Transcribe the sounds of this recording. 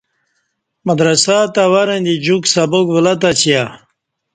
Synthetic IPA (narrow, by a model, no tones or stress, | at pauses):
mɐd̪ɾɐsaːt̪awaɾend̪id͡ʑuksabokvəlat̪̬at͡ɕija